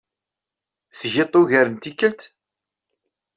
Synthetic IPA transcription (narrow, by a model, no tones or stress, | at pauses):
θʝɪt̪ˤːʊʝæɾənt̪ikːəlt̪